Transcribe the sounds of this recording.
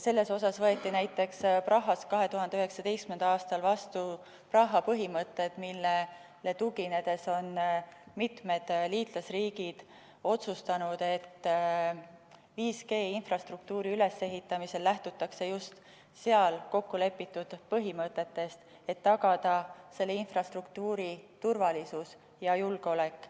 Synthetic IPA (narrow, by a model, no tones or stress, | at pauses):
se̞lːe̞so̞sɑsvɤ̞e̞t̪ˑːinæjt̪ːˑe̞ksprɑɦːɑskɑɦe̞t̪uɦɑnd̪eyɦe̞ksɑd̪e̞jskmend̪̥ɑɑːst̪ɑlvɑst̪u | prɑɦːɑpɤɦimɤt̪ːˑe̞d̪̥milːe | lːe̞t̪uɡine̞d̪̥e̞so̞nmit̪me̞d̪̥liːt̪ˑlɑsriːɡid̪̥ | o̞t̪sust̪ɑnud̪̥e̞t̪ː | viːske̞ːinfrɑst̪ruk̚t̪uːɾiyle̞se̞ɦit̪ːˑɑmise̞lːæht̪ut̪ːˑɑkse̞just̪ | se̞ɑlko̞kːule̞pːit̪ːˑud̪̥pɤɦimɤt̪ːˑe̞t̪ːe̞st̪ | e̞t̪ːɑɡɑd̪̥ɑse̞lːe̞infrɑst̪rukt̪uːɾit̪urvɑlisus | jɑjulɡ̥eo̞le̞kˑː